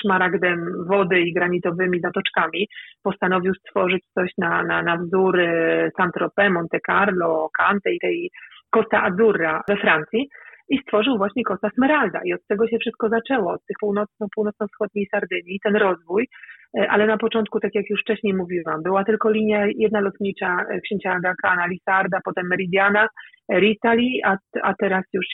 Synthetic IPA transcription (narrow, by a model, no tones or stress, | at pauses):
ʂmaɾaɡd̪ɛmvɔd̪ɘiɡɾaɲit̪ɔvɘmʲizat̪ɔt͡ʂkamʲipɔst̪anɔvʲiwst̪fɔʐɘt͡ɕt̪sɔɕnananavzuɾɘsant̪ɾɔpɛmɔnt̪ɛkaɾlɔkant̪ɛit̪ɛjkɔst̪aʔazuɾːavɛfɾant̪sʲjiist̪fɔʐɨwvwaɕɲɛkɔst̪asmɛɾald̪a̰ʔiɔt̪t̪ːɛɡɔɕɛfʂɘst̪̚kɔzat͡ʂɛwɔɔt̪t̪ːɘxpuwnɔt̪snɔ̃puwnɔt̪snɔwfsxɔd̪ɲejsaɾd̪ɘɲit̪ɛnɾɔzvujʔa̰lɛnapɔt͡ʂɔnt̪̚kut̪akjakjuʂft͡ʂɛɕɲejmuvʲiwambɘwat̪ɘlkɔlʲiɲjajɛd̪nalɔt̪ɲit͡ʂakɕẽɲt͡ɕaɡakanalʲisaɾd̪apɔt̪ɛmːɛɾʲid̪ʲjana | ɾʲit̪alʲiaa̰t̪ɛɾasjuʂ